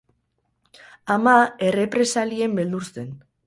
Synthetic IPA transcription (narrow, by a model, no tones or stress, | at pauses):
amae̞re̞pɾe̞salie̞mbe̞ld̪uɾse̞n